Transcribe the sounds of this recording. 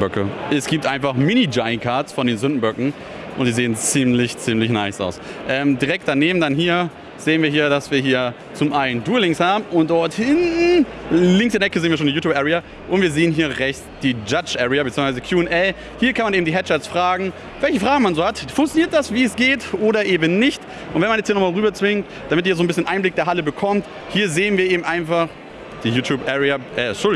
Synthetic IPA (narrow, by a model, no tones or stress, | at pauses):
bœkəʔɛsɡ̥iːp̚tʔaɪnfaχmɪnid͡ʒaɪnkʰaɐtsfɔndeːnzʏndn̩bœkŋ̩ | ʔʊ̰ntz̥iːzeːənt͡siːmlɪçt͡siːmlɪçnaɪsʔa̰ʊsʔɛːmdiːʁɛk̚t̚d̥aneːbm̩danɦiːɐ | z̥eːənviːɐɦiːɐdasv̥iːɐɦiːɐ | t͡sʊmʔaɪənduːlɪŋshaːbm̩ʊnt̚d̥ɔɐthɪn | lɪŋksd̥eɐnɛkəzeːn̩viɐʃoːndijuːtjːbʔɛʁia | ʔʊntv̥iːɐzeːənɦiːɐʁɛçt͡sd̥iːd͡ʒat͡ʃʔɛʁeabətt͡siːʊŋsvaɪzəkʰjuːnʔɛl | hiːɐkʰanmaneːbm̩d̥iːɦɛtt͡ʃasfʁ̥aːɡŋ̩ | vɛlçəfʁ̥aːɡŋ̩manzoːhatfʊŋkt͡sjoniːɐt̚d̥asv̥iːɛsɡ̥eːtʔoːɾɐʔeːbn̩nɪçt | ʔʊntv̥ɛnmanjɛt͡shiːnɔmaːlʁyːbɐt͡sv̥ɪŋt | d̥amɪtiːɐzoːnbɪsçənʔaɪnblɪk̚d̥eːɐɦaləbəkʰɔmt | hiːɐzeːənviːɐeːbm̩tʔaɪnfaχ | d̥iːjuːtʰjuːpʔɛʁeaʔɛʃʊl